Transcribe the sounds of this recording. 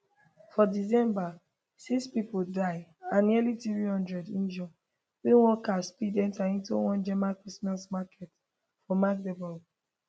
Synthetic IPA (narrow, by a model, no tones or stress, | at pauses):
fɔdis̬ɛ̃mba | sikspipoldaɪãnːilitɹihɔ̃ndɹɛdĩnd͡ʒɔ̃ | wɛ̃nwɔkaspidɛ̃ntaĩntṵwɔ̃nd͡ʒɛmakɹismasmakʰɛt | fɔmak̚dɛbɔl